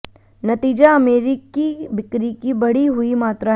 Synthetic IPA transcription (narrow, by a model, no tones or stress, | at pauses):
nɐt̪iːd͡ʒaɐmeːɾɪkibɪkɾikibɐɽiɦʊimaːt̪ɾa